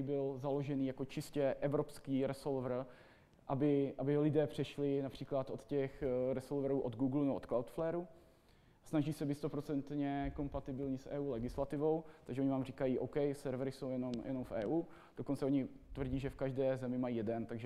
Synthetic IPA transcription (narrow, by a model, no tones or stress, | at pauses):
ibɪlzalo̞ʒɛniːjakot͡ʃɪscɛʔɛvɾo̞pskiːɾɛsolvr̩ | ʔabɪʔabɪlɪdɛːpr̥ɛʃlɪnapr̝̥iːklat̪ʔo̞t̪cɛxɾɛsolvɛɾuːʔod̪ɡuːɡlunɛbʔot̪klawt̪flɛːɾu | snaʒiːsɛbit̪st̪o̞pɾot͡sɛnt̪ɲɛko̞mpat̪ɪbɪlɲɪsʔɛ̰ːʔuːlɛɡɪslat̪ɪvo̞wt̪aɡʒɛoɲɪvaːmriːkajiːʔowkɛjsɛɾvɾɪso̞wjɛno̞mjʔɛ̰no̞mfʔɛːʔuː | d̥o̞kont͡sɛo̞ɲɪt̪vr̩ɟiːʒɛfkaʒdɛːzɛmɪmajiːjɛdɛnt̪aɡʒɛ